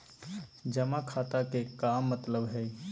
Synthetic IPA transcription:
d͡ʒəmakʰaːt̪akekaːmːət̪ləbɦɛː

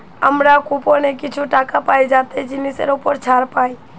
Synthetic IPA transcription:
əmɾakuponekɪt͡ʃʰuʈaːkapaːid͡ʒat̪ed͡ʒɪnisḛɾupəɾt͡ʃʰaːɾpaːi

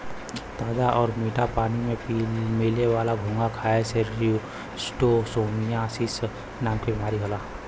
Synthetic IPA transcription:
t̪aːd̪aʔɔːɾmiːʈʰapaːnimẽpːmeːleʋaːlaɡʱõːŋɡakʰaːeseɾiu | sʈosoːmijasis | naːmkebimaːɾiɦolaː

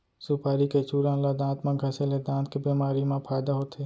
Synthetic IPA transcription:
supaːɾiket͡ʃuːɾãːnlad̪ãːt̪mãɡʱɐseled̪ãːnt̪̚kebiːmaːɾimãpʰaːjd̪aɦoːt̪eː

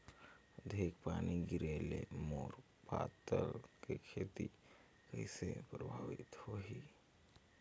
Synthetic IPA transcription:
d̪ʱeːkpaːniɡɪɾelemoːɾ | pa̰t̪əlkekʰeːt̪i | kəisepɾəbʱaːʋɪt̪hoɦi

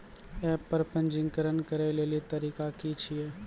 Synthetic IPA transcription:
ɛːpːəɾpə̃nd͡ʒɪ̃ŋɡkəɾənkəɾeleːlit̪əɾiːkakit͡ʃʰieː

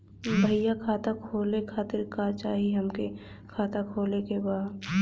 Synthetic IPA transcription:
bʱəɪjakʰaːt̪akʰoːlekʰaːt̪ɪɾkat͡ʃaːɦiɦɐmke | kʰaːt̪akʰoːlekebaːd̪

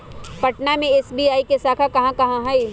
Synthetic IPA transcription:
pɐʈnamẽesbiaːikesaːkʰakɐɦãkɐɦãɦɛi

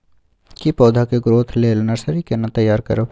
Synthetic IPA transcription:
kipɔːd̪ʱakeɡɾoːt̪ʰleːlnəɾsəɾikenat̪ɐjːaːɾkɐ̰ɾo

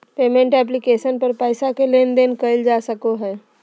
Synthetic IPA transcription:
peːmẽɳʈɛːp̬lɪkeːʃənpəɾpɛːɪsakeleːnd̪eːnkəɪld͡ʒaːsəkoɦɛː

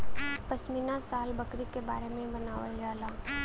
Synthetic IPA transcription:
pɐsminasaːlbɐkɾikeba̰ːɾemẽbɐnaːʋəlɡaːlaː

